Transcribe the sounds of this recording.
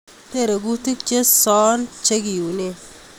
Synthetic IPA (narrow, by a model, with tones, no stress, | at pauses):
te˦˨ɾe˨ɡu˦ti˦k̚t͡ʃe˦sɔ˦nt͡ʃe˦ɡi˨u˨ne˦˨